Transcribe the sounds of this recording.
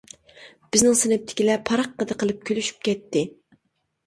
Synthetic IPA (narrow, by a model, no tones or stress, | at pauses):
b̥ɪznɪŋsɪnɪp̚t̪ʰɪ̥kʲilɛpʰɑɾɑqːəd̪ɨqʰəlˠɨp̚kʲʰølyʃy̥p̚kʲɛt̪ʰːɪ